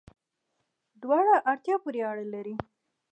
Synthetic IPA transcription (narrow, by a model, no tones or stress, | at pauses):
d̪wɑɽaʔaɽt̪jɑpuɾeaɽalaɾi